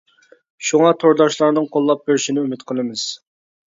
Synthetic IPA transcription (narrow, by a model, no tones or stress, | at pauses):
ʃuŋɑt̪ʰoɾd̪ɑʃlˠɑɾnɨŋqʰolˠːɑp̚beɾɪʃinɪymɪt̪qʰəlˠɨmɨz̥